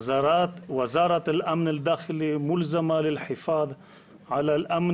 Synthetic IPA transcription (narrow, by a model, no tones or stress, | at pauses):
wɪzɑːɾˤɑlʔamnɪd̪ːaːxɪlimʊlzamalɪlħɪfɑːðˤ | ʕalalʔam